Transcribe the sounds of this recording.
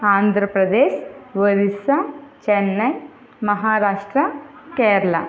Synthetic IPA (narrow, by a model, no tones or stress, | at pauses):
aːnd̪ʱɾɐpɾɐd̪eːɕʋɐɾisɐt͡ɕenːɐj | mɐɦaːɾaːʂʈrɐkeːɾɐlɐ̰